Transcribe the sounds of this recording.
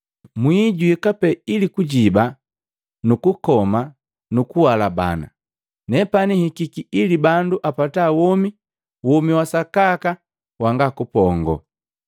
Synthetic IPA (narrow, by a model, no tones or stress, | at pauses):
mwiɟuikapɛilikuɟiba | nukukɔma | nukuwalaba̰na̰ | nɛpanihikikiilibanduʔapatawɔmi | wɔmiwasakaka | waŋɡakupɔŋɡɔ̰